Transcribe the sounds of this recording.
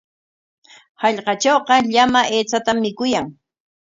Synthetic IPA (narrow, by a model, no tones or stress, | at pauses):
hɑʎqɑt͡ʃowqɑʎamaʔeːt͡sat̪amːɪkʊjaŋ